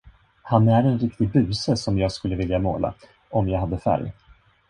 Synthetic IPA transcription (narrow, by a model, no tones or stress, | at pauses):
hanæɾɛnɾɪkt̪ɪbʉ̟ːsəsɔmjɑːɡskɵlːəvɪljamo̰ːla̰ | ɔmjɑːɡɦad̪ːəfæ̰ɾj